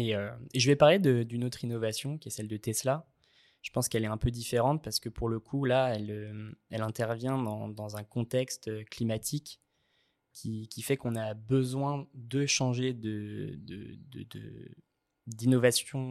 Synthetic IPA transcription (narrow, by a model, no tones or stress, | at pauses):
eøeʒəvɛpaʁled̪əd̪ynot̪χinɔvasjɔ̃kʲiɛsɛld̪ət̪ɛsla | ʒ̥ə̥pɑ̃skɛlɛɛ̃pød̪ifeʁɑ̃t̪̚paʁsə̥kəpuʁləkʰulaɛløɛlɛ̃t̪ɛʁvjɛ̃d̪ɑ̃d̪ɑ̃zɛ̃kɔ̃t̪ɛkst̪øklimat̪ʰikʰː | ikʲʰifɛkɔ̃nabəzwɛ̃d̪əʃɑ̃ʒed̪əd̪ə̰d̪ə̰d̪ə̰ | d̪inɔvasjɔ̃